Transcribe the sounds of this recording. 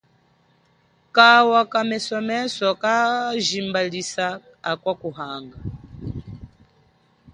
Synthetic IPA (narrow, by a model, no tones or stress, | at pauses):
kawakamɛsɔmɛsɔkaʒimbalisaː | kwakuɦaŋɡa